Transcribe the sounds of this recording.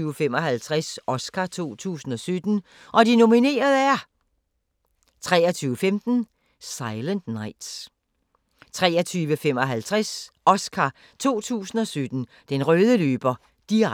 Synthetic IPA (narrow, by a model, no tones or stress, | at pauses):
yːʊəfem̰ɒ̽ɦælt͡sʰʁasʔɒ̽skʰæt͡sʰo̝̰ːt͡sʰṵːsn̩ɒ̽sød̥n̩ | ʔɒ̽dino̝mine̝̰ːɐðˠæɐ | t͡sʰʁɛ̰ːɐt͡sʰyːʊəfemd̥n̩ | sɑ̈ɪlənd̥nɑ̈ɪd̥s | t͡sʰʁɛ̰ːɐt͡sʰyːʋəfem̰ɒ̽ɦælt͡sʰʁasɒ̽skʰæ | t͡sʰo̝̰ːt͡sʰṵːsn̩ɒ̽sød̥n̩ | d̥enʁœːðˠəlø̰ːb̥ɐ | d̥i